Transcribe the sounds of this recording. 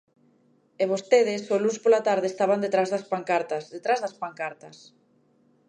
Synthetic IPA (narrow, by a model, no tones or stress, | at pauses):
eβost̪eðɪsolunspolat̪aɾðeːst̪aβand̪et̪ɾazðɐspaŋkaɾt̪ɐsðet̪ɾazðɐspaŋkaɾt̪ɐs